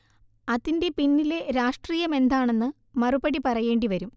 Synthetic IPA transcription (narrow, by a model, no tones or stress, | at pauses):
ɐðinde̞pinːile̞ɾaːʂʈriːjɐme̞nd̪aːɳe̞nːɨ | mɐrubɐɽipɐrɐje̞ːɳɖiʋɐɾum